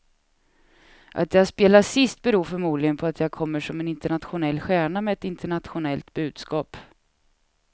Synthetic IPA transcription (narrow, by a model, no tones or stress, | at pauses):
ʔa̰t̪̚jaːaɡspeːlasɪst̪̚bɛɾuːɾfœɾmuːd̪lɪɡənpʰɔat̪ʰjaːɡ̚kʰɔmːəʂɔmɛnɪnt̪əɳat̪ɧʊnɛlːɧæːɳamɛɛt̪ɪnt̪əɳat̪ɧʊnɛlt̪bʉ̟ːd̪̥skɑːp